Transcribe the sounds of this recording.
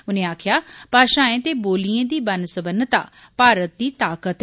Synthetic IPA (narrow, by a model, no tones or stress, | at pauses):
ʊnẽːaːkʰjaːpaːʃãːẽːt̪eːboːliẽːd̪iːbənsəbənt̪a̰ː | paːɾət̪̚d̪iːt̪aːkət̪